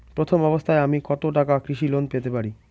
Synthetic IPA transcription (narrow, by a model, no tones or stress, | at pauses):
pɾot̪ʰomɔbost̪ʰaeamikɔt̪oʈakakɾiʃilonpet̪epaɾi